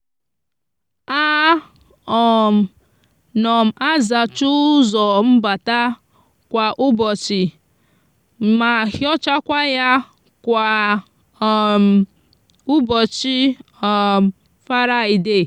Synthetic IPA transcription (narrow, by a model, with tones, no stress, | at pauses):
a˦ | ɔ˨m̩˨ | nɔ˨m̩˨a˦za˨t͡ʃu˦zɔ˨m̩˦ba˨ta˦ | kʷa˨ʔʊ˦bɔ˨t͡ʃɪ˨ | ma˨hjɔ˦t͡ʃa˦kʷa˦ja˦ | kʷa˨ | ʊ˦bɔ˨t͡ʃi˦˨ | fa˦ɾa˦˨i˨de˦˨